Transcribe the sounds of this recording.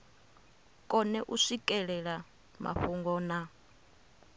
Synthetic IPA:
kʼɔnɛʔuʂikʼɛɺɛɺa | mʔa̰ɸuŋɡɔːna

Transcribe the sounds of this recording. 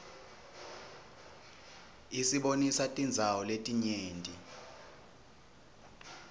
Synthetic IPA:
isiɓonisatʼind͡zʱawɔletʼiɲeːntʼi

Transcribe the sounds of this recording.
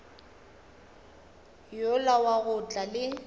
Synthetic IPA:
jʊlawaɣʊt͡ɬʼalɪ

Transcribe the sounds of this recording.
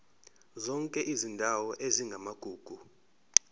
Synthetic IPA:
zɔŋkʼɛʔizindʱawɔʔeziŋɡʱamaɡ̥ʱuːɡ̥ʱu

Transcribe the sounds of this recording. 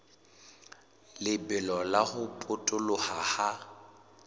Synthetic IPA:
lɪbɛlɔlaɣʊpʼʊtʼʊlʊhaha

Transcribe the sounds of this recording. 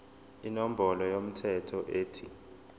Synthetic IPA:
inom̩bʱɔlɔjom̩tʰɛtʰɔʔeːtʰi

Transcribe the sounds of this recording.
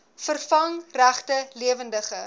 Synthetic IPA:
fərfɐŋræχtəliəvəndəχə

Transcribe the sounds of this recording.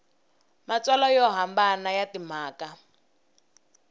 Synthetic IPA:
mat͡swalɔjɔɦambanajatim̤aːka

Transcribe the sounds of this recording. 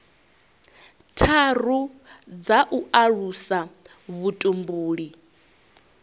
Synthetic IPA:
tʰar̤ud͡zaʔuʔaɺusa | βutʼumbuːɺi

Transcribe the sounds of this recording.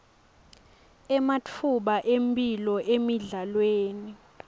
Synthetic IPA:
ɛmat͡fʰuɓaʔempilɔʔemiɮalweːni

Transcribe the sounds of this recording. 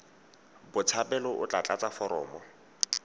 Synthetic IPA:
bʊt͡sʰapɛlɔʔʊt͡ɬʼat͡ɬʼat͡sʼafɔɾɔ̰ːmɔ

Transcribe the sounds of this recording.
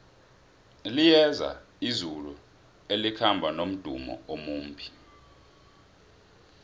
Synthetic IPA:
lijɛza̰ | izulu | elikʰambʱanom̩d̥ʱṵmɔ̰omuːm̩bʱi̥

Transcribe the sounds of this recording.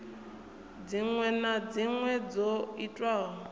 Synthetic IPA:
d͡ziŋwɛnad͡ziŋwɛd͡zoitʼwaːɦɔ

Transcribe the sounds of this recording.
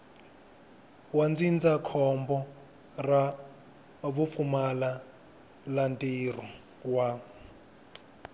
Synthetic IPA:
wand͡zind͡zakʰɔmbɔ | ra | βufumala | lantir̤ɔ | wa

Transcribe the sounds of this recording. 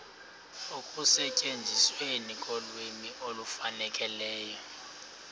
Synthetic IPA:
okʼusɛcʼend͡zʱiswenikʼɔlwemiʔolufanɛkʼɛlɛːjɔ

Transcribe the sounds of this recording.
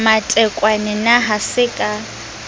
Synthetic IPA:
matʼɛkʼwanɛnaɦasɪkʼa

